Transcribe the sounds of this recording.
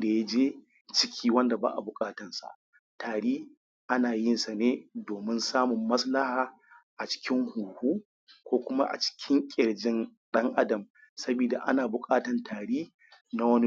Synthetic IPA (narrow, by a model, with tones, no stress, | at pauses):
da˨ja˦d͡ʒeː˦ | t͡ʃɪ˦kʲʰiː˦wɐ˦nda˨ba̰ː˦ʔa̰˨bʊ˨kʼaː˦tɐ˨nsa̰˨ʔ | taː˨ɽiː˦ | ʔa˦naː˨jɪ˦nsa˨neː˦doː˨mɪ˦nsaː˦mʊ˨mːɐ˦sla˦haː˨ | ʔa˨t͡ʃɪ̥˦kʲɪ˦ŋhuː˨huː˦ | kʷoː˦kʷʊ˦ma˦ʔa̰˨t͡ʃɪ̥˦kʲʰɪ˦ŋkʲʼɪ˨ɽd͡ʒɪ˦nɗɐ˦ŋʔa˦dɐ˨m | sɐ˦biː˨da˨ʔa̰˦naː˨bʊ˨kʼaː˦tɐ˨ntaː˨ɽiː˦ | na˦wɐ˦ni˦